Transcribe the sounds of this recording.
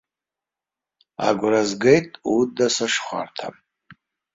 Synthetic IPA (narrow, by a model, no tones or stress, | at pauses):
a̰ɡʷrazɡejtʼudasaʂχʷa̰rtʰa̰